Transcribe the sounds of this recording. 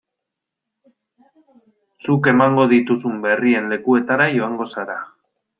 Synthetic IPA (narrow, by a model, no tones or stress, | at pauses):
suke̞maŋɡo̞ðit̪usumbe̞rie̞nle̞kue̞t̪aɾajo̞aŋɡo̞saɾa